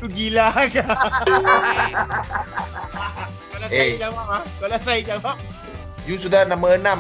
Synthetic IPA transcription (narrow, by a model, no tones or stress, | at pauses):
uɡilaka | a | kalaaead͡ʒawap̚akalasajid͡ʒawap̚ | jusudahnãməənãm